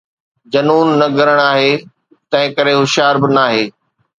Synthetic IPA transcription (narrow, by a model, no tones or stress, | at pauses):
d͡ʑɐnuːnːɐɡʱɐɾəɽ̃aːɦeː | t̪ɐ̃ɦɪ̃kɐɾeɦʊʃjaːɾbɪnaːɦeː